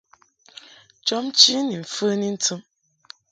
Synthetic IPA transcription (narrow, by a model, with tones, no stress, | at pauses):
t͡ʃɔ˦mt͡ʃi˦ni˨m̩˨fə˦ni˦n̩˦tʰɨ˦m